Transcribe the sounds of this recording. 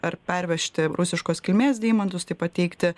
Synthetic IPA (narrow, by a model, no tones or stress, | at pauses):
ɐɾpʲɛɾʲʋʲɛʃʲt̪ʲɪɾʊsʲɪʃkoːskʲɪlʲmʲeːsd̪ʲiːmɐnt̪ʊst̪ɐɪpɐt̪ʲɛɪkt̪ʲɪ